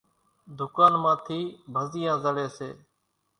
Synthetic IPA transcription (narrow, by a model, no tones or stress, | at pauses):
d̪ʊkaːnmãːt̪ʰiːbʱəzɪjãːzəɽeːsḛː